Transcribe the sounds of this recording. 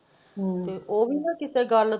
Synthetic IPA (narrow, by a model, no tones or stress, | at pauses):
t̪eːʔoːbʱiːnãːkɪseːɡəɾ